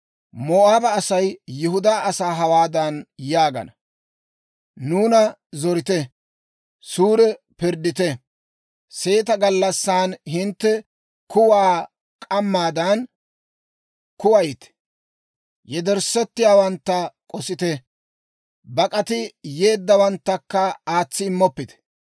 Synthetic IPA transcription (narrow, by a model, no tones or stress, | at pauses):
moːʔaːbɐːsɐjːʊɦʊd̪aːʔɐsaːɦɐwaːd̪ɐnjaːɡɐ̰nɐ | nuːnɐ | zɔɾɪt̪ɛ | suːɾɛ | pɪɾd̪ɪt̪ɛ | se̞ːt̪ɐɡɐlːɐsːaːnhɪnt̪ːɛ | kʊwaː | kʼɐmːaːd̪ɐn | kʊwɐjɪt̪ɛ̥ | jɛd̪ɛɾsɛt̪ːɪjaːwɐnt̪ːɐkʼɔsɪt̪ɛ | bɐkʼɐt̪ɪje̞ːd̪ːɐwɐnt̪ːɐkːɐaːt͡sːɪːmːɔpːɪt̪ɛ̥